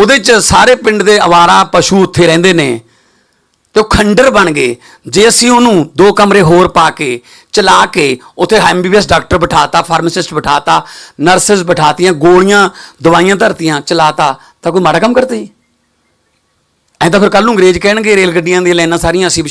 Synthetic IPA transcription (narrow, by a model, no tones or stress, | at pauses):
oːd̪eːt͡ʃsaːɾeːpɪ̃ɳɖd̪eːəʋaːɾaːpəʃuːʊt̪ʰːeːɾɛ̃ːnd̪eːneː | t̪eːoːkʰəɳɖəɾbəɳɡeː | d͡ʒeːəsĩːʊnũːd̪oːkəmɾeːɦoːɾpaːkeː | t͡ʃəlaːkeːʊt̪ʰːeːɦɛːmbiːiɛs̬ɖaːk̚ʈəɾbəʈʰaːt̪aːpʰaːɾməsɪsʈbəʈʰaːt̪aːnəɾsɪsbəʈʰaːt̪ɪjãːɡoːɽɪjãːd̪ʊʋaːijãːt̪əɾt̪ɪjãːt͡ʃəlaːt̪aː | t̪ãːk̬ʊmaːɽaːkəmkəɾt̪aːiː | ɛ̃ːd̪aːpʰɪɾkəlnũːɡɾeːd͡ʒkɛːɳɡeːɾeːlɡəɖɪjãːd̪eːlɛ̃ːnãːsaːɾɪjãːəsĩːbɪ